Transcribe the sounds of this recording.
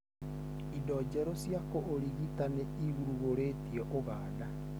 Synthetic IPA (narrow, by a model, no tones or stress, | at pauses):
idɔd͡ʒɛɾosjakoʔːɾiɣitaneiɣuɾuɣoɾetiɛʔoɣaːda